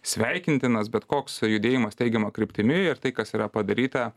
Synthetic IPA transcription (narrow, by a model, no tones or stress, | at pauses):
sʲʋʲɛɪkʲɪnʲt̪ʲɪnɐsbʲɛt̪koːksjʊd̪ʲeːjɪmɐst̪ʲɛɪɡʲɛmɐkɾʲɪpʲt̪ʲɪmʲɪɪɾt̪ɐɪkɐsiːɾɐpɐd̪ɐɾʲiːt̪ɐ